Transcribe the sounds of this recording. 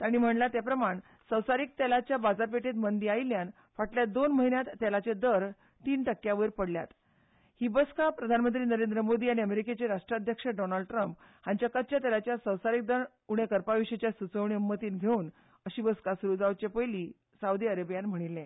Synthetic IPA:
t̪aɽ̃iːm̤əɳlat̪japɾəmaɳ | səwsaɾiːk̚t̪ɛlat͡ɕjabad͡zaɾpeʈet̪mənd̪iailjan | faʈljad̪onməɦinjat̪ːɛlat͡sed̪əɾ | t̪iːnʈəkːjaʋəɾpəɽlja̰t̪ | hiːbəskapɾəd̪ʱanmənt̪ɾiːnəɾend̪ɾəmod̪iːaɽ̃iəmeɾiket͡ɕeɾaʂʈɾad̪ʱjəkʂəɖɔnalɖʈɾəmp | hãɲt͡ɕjakət̪ːt͡ɕat̪ɛlat͡ɕjasəwsaɾik̚d̪əɳ | uɽ̃ekəɾpaʋiɕet͡ɕjasut͡səʋɳ̃iumːət̪iːnɡʱeuːn | əɕiːbəskasuɾud͡zaʋt͡ɕepəjli | saud̪iəɾəbjanm̤əɽ̃ilːẽ

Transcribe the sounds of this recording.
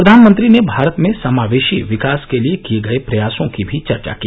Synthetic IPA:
ɾɐd̪ʱaːnmə̃nt̪ɾinebʱaːɾət̪mẽsɐmaːʋeːʃiʋɪkaːskeliekieɡɐepɾɐjaːsõkibʱit͡ʃɐɾt͡ʃa̰kiː

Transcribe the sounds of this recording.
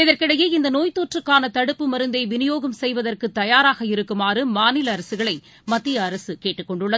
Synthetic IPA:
ɪðɐrkɪɽɐjeɪnd̪ɐnoːjt̪oːʈrɯkːaːnɐt̪ɐɽɯpːɯmɐɾɯnd̪ɐɪʋɪnɪjoːɣɐmsɛjʋɐðɐrkɯt̪ːɐjaːɾaːɣɐɪɾɯkːɯmaːɾɯmaːnɪlɐːɾɐsɯɣɐɭɐɪ | mɐt̪ːɪjɐːɾɐsɯkeːʈːɯkːɔɳɖɯɭːɐ

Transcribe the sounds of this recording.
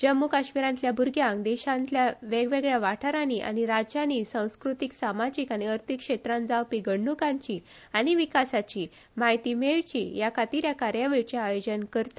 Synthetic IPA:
d͡ʑəmːukaɕmiɾãnt̪ljabʱuɾɡjãŋɡd̪ɛɕãnt̪ljaʋeɡʋeɡɭjaʋaʈʰaɾaniʔa̰ɽ̃iɾad͡ʑaniːsãw̃skɾut̪iksamad͡ʑikaɽ̃iəɾt̪ʰikʂet̪ɾãnd͡zawpiːɡəɳːukãɲt͡ɕiː | aɽ̃iʋikasat͡ɕiː | maɦit̪imeɭt͡ɕḭjakʰat̪iɾjakaɾjaʋiɭt͡ɕaajod͡ʑənkəɾt̪a

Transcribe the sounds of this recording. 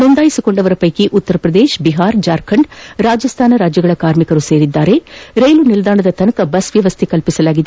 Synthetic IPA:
nond̪aːjisiko̞ɳɖɐʋɐɾɐpɐjkiʔut̪ːɐɾɐpɾɐd̪eːʃbiɦaːɾd͡ʒaːɾkʰɐɳɖɾaːd͡ʒɐst̪ʰaːnɐɾaːd͡ʒjɐɡɐɭɐkaːɾmikɐɾuse̞ːɾid̪ːaːɾe̞ɾejlunild̪aːɳɐd̪ɐt̪ɐnɐkɐbɐsʋjɐʋɐst̪ʰikɐlpisɐlaːɡid̪e

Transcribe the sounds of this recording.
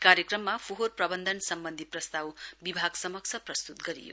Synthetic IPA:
kaɾjekrʌmːapʰuɦoɾprʌbʌnd̪ʱʌnsʌmbʌnd̪ʱipɾʌst̪awbibʱaɡsʌmʌksʰʌprʌst̪ut̪ɡʌɾḭjo̰

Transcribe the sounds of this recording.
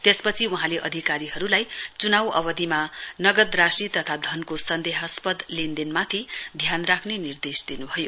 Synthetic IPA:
t̪espʌt͡sʰiuɦãleʔʌd̪ʱikaɾiɦʌɾulajt͡sunawʌ̰bʌd̪imanʌɡʌd̪rasit̪ʌt̪ʰad̪ʱʌnkosʌnd̪eɦaspʌd̪lend̪inmat̪ʰid̪ʱjanrakʰnenird̪esd̪inubʱʌjo

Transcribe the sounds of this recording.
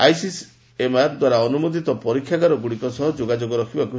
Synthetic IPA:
ajsis | emaɾd̪waɾaɔnumod̪it̪ɔpɔɾikʰːjakaɾɔɡuɽikɔsɔɦɔd͡ʒoɡad͡ʒoɡɔɾɔkʰibaku

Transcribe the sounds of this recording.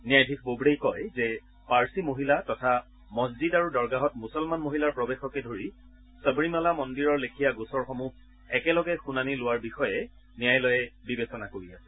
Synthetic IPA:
nijajdʱikbobɹejkɔjzɛ | paɹsimoɦilatɔtʰa | mɔszidaɹudɔɹɡaɦɔtmusɔlmanmoɦilaɹpɹɔbexɔkɛdʱoɹi | səbɹimalamɔndiɹɔɹlekʰijaɡusɔɹxɔmuh | ɛkɛlɔɡɛxunanilʊwaɹbixɔjɛ | nijajlɔjɛbibesɔnakoɹiasɛ̥

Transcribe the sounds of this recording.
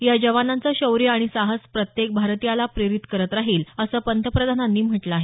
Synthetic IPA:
jad͡ʑəʋanant͡səɕəwɾijaɽ̃isaɦəspɾət̪jek̚bʱaɾt̪ijalapɾeɾit̪kəɾət̪ɾaɦiːləsəːpənt̪əpɾəd̪ʱananːiːm̤əʈləaɦe

